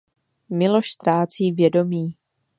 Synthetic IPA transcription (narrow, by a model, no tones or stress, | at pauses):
mɪlo̞ʃst̪ɾaːt͡siːvjɛdo̞miː